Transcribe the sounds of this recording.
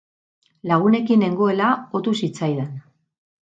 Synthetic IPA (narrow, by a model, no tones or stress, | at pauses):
laɣ̞une̞kine̞ŋɡoe̞lao̞t̪usit͡sajðen